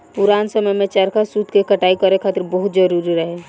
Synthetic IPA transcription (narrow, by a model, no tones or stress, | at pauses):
puɾansəməjmet͡ʃəɾkasud̪ʱkekəʈaikəɾekʰaːt̪iɾbəɦut̪̚d͡ʒəɾuɾiɾəɦe